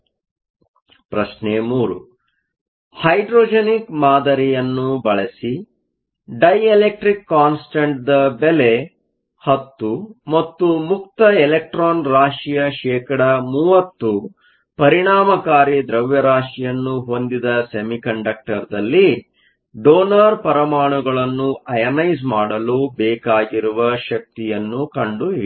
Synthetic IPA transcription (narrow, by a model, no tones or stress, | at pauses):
pɾɐʃnemuːɾṵ | hɐjɖɾoːd͡ʒenikmaːd̪ɐɾijɐnːubɐɭɐsi | ɖɐjelek̚ʈɾikːaːnsʈɐɳʈ̚d̪ɐbele | hɐt̪ːumɐt̪ːumuk̚t̪ɐelek̚ʈɾoːnɾaːʂijɐʃɛːkɐɽɐmuːʋɐt̪ːu | pɐɾiɳaːmɐkaːɾid̪ɾɐʋjɐɾaːʂijɐnːuɦo̞nd̪id̪ɐsemikɐɳɖɐk̚ʈɐɾd̪ɐlːi | ɖoːnɐɾpɐɾɐmaːɳuɡɐɭɐnːuʔɐjɐnɐjzmaːɽɐlubɛːkaːɡiɾuʋɐʃɐk̚t̪ijɐnːukɐɳɖui